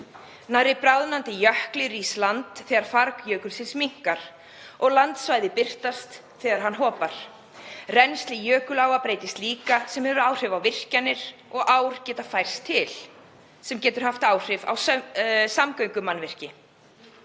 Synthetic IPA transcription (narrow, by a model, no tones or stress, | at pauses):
naɾɪpɾawðnant̪ɪjœhklɪɾiːslant̪θɛɣaɾ̥faɾkjœːkʏlsɪnsmiŋ̥kaɾ̥ | ɔɣlant̪svaːjðɪpɪr̥t̪ast̪ | θɛːɣaɾ̥ɦanɦɔːpaɾ̥ | rɛnst̪lɪjœːkʏlaːwvapɾeːjt̪ɪst̪liːkasɛmhɛvʏɾaːwr̥ɪvawvɪr̥canːɪɾ̥ɔɣʔaːwɾ̥cɛːt̪afajr̥st̪ʰːɪl̥ | sɛmcɛːt̪ʏɾ̥haft̪aːwr̥ɪva̰wssamkœɥŋkʏmanvɪr̥cɪ